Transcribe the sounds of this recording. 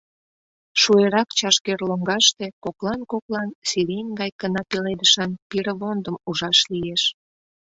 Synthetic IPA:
ʃueɾɑkt͡ɕɑʃkerloŋɡɑʃt̪ekoklɑnkoklɑnsiɾʲenʲɡɑjkənɑpeled̪əʃɑnpiɾəβond̪əmuʒɑʃlieʃ

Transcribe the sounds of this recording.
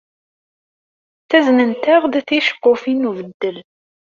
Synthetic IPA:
θæznənt̪æʁd̪θiʃə̥qːʊfinuvəd̪ːəl

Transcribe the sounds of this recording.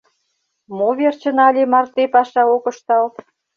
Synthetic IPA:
moβert͡ɕə̆nɑlʲemɑrt̪epɑʃɑokə̆ʃt̪ɑlt̪

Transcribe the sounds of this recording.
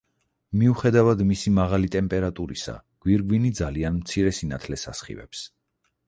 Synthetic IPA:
miuχɛd̪avad̪misimaʁalit̪ʼɛmpʼɛɾat̪ʼuɾḭsa̰ɡ̥wiɾɡwinid̪zalianmt̪sʰiɾɛsinat̪ʰlɛsasχḭvɛ̰ps

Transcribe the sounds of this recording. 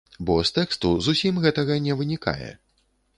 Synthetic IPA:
bɔst̪ɛkst̪uzusʲimɣɛt̪ɐɣɐnʲɛvɨnʲika̰jɛ̰

